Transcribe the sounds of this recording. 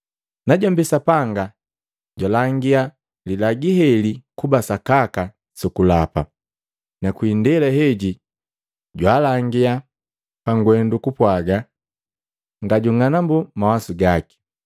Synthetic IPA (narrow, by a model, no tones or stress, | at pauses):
naɟɔmbisapaŋɡa | ɟwalaŋɡia | lilaɡiɦɛlikubasakaka | sɔkulapa | nakwindɛlaɦɛɟi | ɟwaːlaŋɡia | paŋɡwɛndukupwaɡa | ŋɡaɟuŋanambumawasuɡaki̥